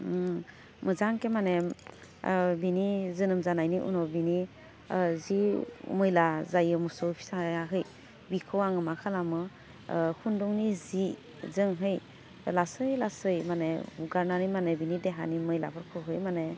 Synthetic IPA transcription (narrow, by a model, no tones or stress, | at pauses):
mɯzaŋkemane | binizɯnɯmzanajniʔṵnɔbini | zimɯjlazajɯmɔsɔwpʰi̥sajaɦɯj | bikʰɯwaŋɯmakʰalamɯ | hʰunduŋnizi | zɯŋɦɯj | lasɯjlasɯjmaneuɡaɾnanimanebinideɦa̰nimɯjla̰pʰɔɾkʰɯɦɯjmane